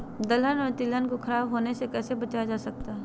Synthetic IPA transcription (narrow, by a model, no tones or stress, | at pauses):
d̪ɐlənɔt̪ilənkokʰɐɾaːbɦoːnesekɛːsebɐt͡ʃad͡ʒaːsɐk̚t̪aɦɛ